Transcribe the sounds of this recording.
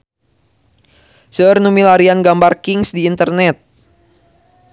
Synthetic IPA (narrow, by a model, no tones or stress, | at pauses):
səərnumilaɾianɡambarkɪŋsdiːnt̪ərnɛt̪̚